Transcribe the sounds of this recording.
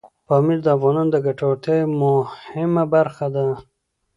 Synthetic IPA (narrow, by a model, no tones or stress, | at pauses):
pɑmiɾd̪əafɣɑnɑnd̪əɡaʈot̪ejmʊhɪmabaɾxad̪a